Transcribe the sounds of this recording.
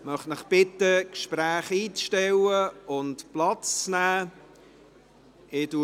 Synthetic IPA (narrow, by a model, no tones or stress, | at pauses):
mœχtnɪχb̥ɪt̪əkʃpɾæːχiːt͡sʃtɛwəʊntplɑt͡st͡snæː | ɪdu